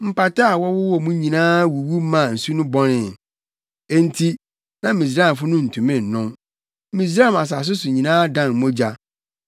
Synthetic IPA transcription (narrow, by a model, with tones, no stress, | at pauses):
m̩˨pa˨tʰa˦a˨wɔ˦wʊ˦wɔ˦˨mũ˦ɲĩ˨nãː˦wu˨wu˦mã˨n̩˨su˦nʊ̃˦bɔ˦nɪ̃˨ | e˦n˦tʰi˦ | nã˨˦mĩ˨s̬ɾa˦˨fʊ˦nʊ̃˦n̩˨tʰũ˨mɪ̃˦˨n̩˨nʊ̃˦m˦ | mĩ˨s̬ɾa˦˨ma˨s̬a˨s̬ʊ˦sʊ˨ɲĩ˨nãː˦dã˦˨n˨mõ˦d͡ʑa˦